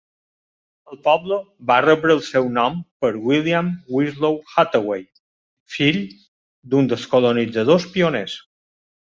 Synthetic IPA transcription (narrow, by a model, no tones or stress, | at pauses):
əlˠpɔblə | barəβɾəːlˠsɛwnɔmpəɾwiliamwizlowxat̪əwej | fiʎ | d̪und̪əskolonid͡zəð̞ospionɛs